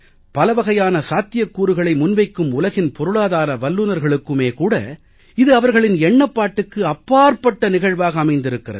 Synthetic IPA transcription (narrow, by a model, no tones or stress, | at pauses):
pɐlɐʋɐɣɐjaːnɐsaːt̪ːɪjɐkːuːɾɯɣɐɭɐɪmʊnʋɐɪkːɯmʊlɐɣɪnpɔɾɯɭaːðaːɾɐʋɐlːunɐɾɣɐɭɯkːɯmeːkuːɽɐ̰ | ɪðɯɐʋɐɾɣɐɭɪnɛɳːɐpːaːʈːɯkːɯɐpːaːɾpɐʈːɐnɪɣɐɻʋaːɣɐːmɐɪnd̪ɪɾɯkːɪrɐ̰ðɯ